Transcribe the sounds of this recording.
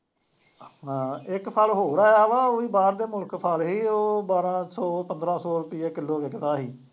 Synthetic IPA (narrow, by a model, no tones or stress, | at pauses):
ãːɪkpʰəlɦoːɾaːaːʋaːoːiːbaːɾd̪eːmʊlkpʰəlɦiːoːbaːɾãːsɔːpənd̪ɾãːsɔːɾʊpɪjeːkɪlːoːʋɪkd̪aːɦiː